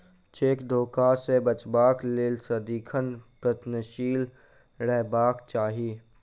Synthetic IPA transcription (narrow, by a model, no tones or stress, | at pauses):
t͡ʃeːkd̪ʱoːkasebət͡ʃbaːklelsəd̪iːkʰənpɾət̪nəʃiːl | ɾɛɦbaːkt͡ʃaːɦiː